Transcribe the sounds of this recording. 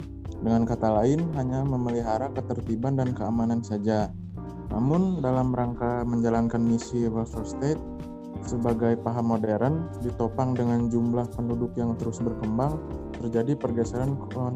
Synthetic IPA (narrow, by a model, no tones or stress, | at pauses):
dəŋankat̪alaɪnɦaɲaməməliɦaɾakət̪ərt̪ibandankəamanansad͡ʒa | nʔa̰mʊndalamɾaŋkaməɲd͡ʒalankanmisiwəlfɔst̪et̪̚ | səbaɡajpaɦamodeɾandit̪opaŋdəŋand͡ʒumlahpəndudʊkjaŋt̪əɾʊsbərkəmbaŋt̪ərd͡ʒadipərɡasalan